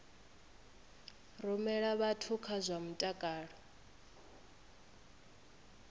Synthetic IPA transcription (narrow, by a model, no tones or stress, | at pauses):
rumɛɺaβatʰukʰazʷam̩tʼakʼaːɺɔ